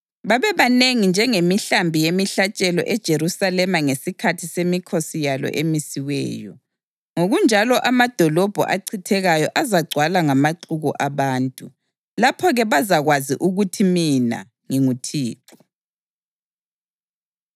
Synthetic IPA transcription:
βaβɛβaneŋind͡ʒʱɛŋemiɬambʱijemiɬat͡ʃʼɛlɔ̰ʔɛd̥ʒ̥ʱeɾusalɛmaŋesikʰatʰisemikʰosijalɔ̰ʔemisiwɛ̰ːjɔ | ŋoɣund͡ʒʱalɔʔamad̥ʱɔlɔb̥ʱɔ̰ʔa̰ǀʰitʰɛɣajɔʔazaɡ͡ǀʱwalaŋamaǀʰuɣɔʔaβaːntʼu | lapʰɔɣɛβazaɣwazḭʔuɣutʰimina̰ | ŋiŋutʰiːǁʰɔ

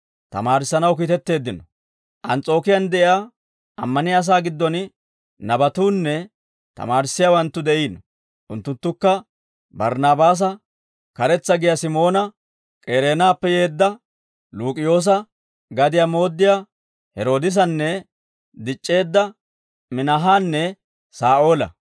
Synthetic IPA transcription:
t̪ɐ̰maːɾɪsːɐnɐwkiːt̪ɛt̪ːe̞ːd̪ːɪnɔ | ʔɐnt͡sʼo̞ːkɪjɐnd̪ɛʔɪa | ʔɐmːɐnɪɐs̬aːɡɪd̪ːɔn | nɐbɐt̪uːnːɛ | t̪ɐ̰maːɾɪsːɪjawɐnt̪ːʊd̪ɛʔiːnɔ | ʔʊnt̪ːʊnt̪ːʊkːɐ | bɐɾnaːbaːs̬ɐ | kɐɾɛt͡sːɐɡɪjasɪmo̞ːnɐ | kʼeːɾe̞ːnaːpːɛje̞ːd̪ːɐ | luːkʼɪjo̞ːs̬ɐ | ɡɐd̪ɪjamo̞ːd̪ːɪja | hɛɾo̞ːd̪ɪs̬ɐnːɛ | d̪ɪt͡ʃʼːe̞ːd̪ːɐ | mɪnɐɦaːnːɛ | saːʔo̞ːlɐ̰

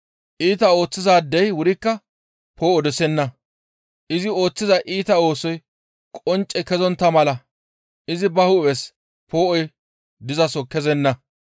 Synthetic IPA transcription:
ʔiːt̪ɐo̞ːt͡sːɪzaːd̪ːɛjwʊɾɪkːɐ | pʰo̞ːʔɔd̪ɛsɛnːɐ | ʔɪzɪo̞ːt͡sːɪzɐʔiːt̪ɐo̞ːsɔj | kʼɔnt͡ʃʼːɛkɛzɔnt̪ːɐmɐlɐ | ʔɪzɪbɐhʊɛs | po̞ːʔɔj | d̪ɪzɐsɔkɛzɛnːɐ

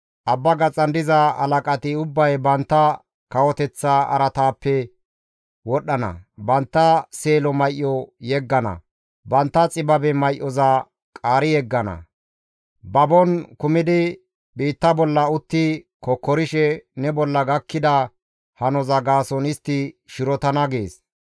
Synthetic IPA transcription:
ʔɐbːɐɡɐt͡sʼːɐnd̪ɪzɐɐ̰lɐkʼɐt̪ɪʊbːɐjbɐnt̪ːɐ | kɐwɔt̪ɛt͡sːaɐ̰ɾɐt̪aːpːɛ | wɔɗːɐnɐ̰bɐnt̪ːɐseːlɔmɐjʔːɔjɛɡːɐnɐ̰ | bɐnt̪ːɐt͡sʼɪbɐbɛmɐjʔːɔza | kʼaːɾɪjɛɡːɐnɐ̰ | bɐbɔnkʊmɪd̪ɪ | biːt̪ːɐbɔlːɐʊt̪ːɪ | kɔkːɔɾɪʃɛnɛbɔlːɐɡɐkːɪd̪ɐ | hɐnɔzɐɡaːsɔnɪst̪ːɪʃɪɾɔt̪ɐnɐɡeːs

